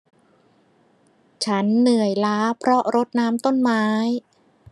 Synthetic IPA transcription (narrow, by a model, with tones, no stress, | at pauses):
t͡ɕʰa˦˥nːɯ˨˩əjlaː˦˥pʰɾɔ˦˥ʔɾo˦˥t̪̚naː˦˥mt̪o˥˩nmaː˦˥j